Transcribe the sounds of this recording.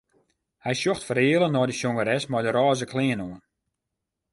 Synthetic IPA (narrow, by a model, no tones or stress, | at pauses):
hɛjsjoxtfəɾɪəlˠənɔːdəsoŋəɾɛsmɔjdəɾɔːzəkʰlɪːənoən